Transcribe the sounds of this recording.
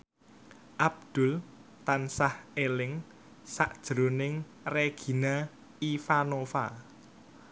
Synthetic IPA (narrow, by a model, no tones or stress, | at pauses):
ʔab̚d̪̥ʊ̤lt̪ansahelɪŋ | sa̰ʔd̥ʒ̥ɾonɪŋ | reɡ̥i̤na | ifanofa